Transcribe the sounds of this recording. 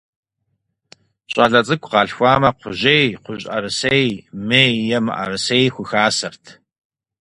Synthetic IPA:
ɕʼɐɮɐt͡sʼɨkʷʰʼqɑːɬxʷɑːmɐqʷʊʑejqʷʊʑʼʔɐ̰rɨsejmeːjɛmɨ̰ʔɐ̰rɨsejxʷʊxaːsɐrtʰ

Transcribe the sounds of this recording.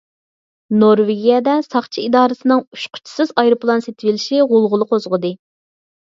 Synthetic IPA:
noɾveɡʲijɛd̪ɛsɑχt͡ʃʰiid̪ɑːɾɨsɨnɨŋuʃqʰʊ̥t͡ʃʰi̥sɨzɑjɾɨplˠɑnset̪ʰɪvɪlɪʃiʁolˠʁʊlˠəqʰozʁəd̪ɨ

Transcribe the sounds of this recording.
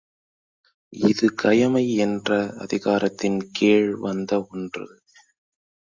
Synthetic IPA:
ɪðɯkɐjɐmɐɪɛndrɐɐ̰ðɪɣaːɾɐt̪ːɪnkeːɻʋɐnd̪ɐɔndrɯ̰

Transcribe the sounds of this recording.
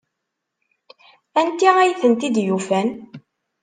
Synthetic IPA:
ænt̪ːiʁæjθənt̪id̪jufæn

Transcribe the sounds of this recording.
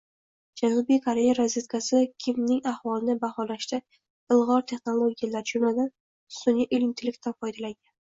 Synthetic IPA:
d͡ʒanʊbijkʰaɾe̞jaɾazet̪kʰasɪkʲʰɪmnɪŋahvɒlɪnɪbahɒlaʃt̪ɪ | ɪlˠʁɒɾt̪ʰe̞χno̞lˠoɡʲijalaɾɪd͡ʒʊmlad̪an | sʊnjaʔelɪnt̪ʰɪlɪkʲt̪ʰafɒjd̪alaŋɡʲan

